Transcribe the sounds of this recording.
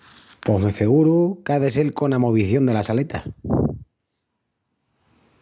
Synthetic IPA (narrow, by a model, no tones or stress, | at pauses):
po̞ɦmefeɣuɾukaðese̞lko̞namoβ̞iθjo̞nd̪e̞lasale̞t̪a̰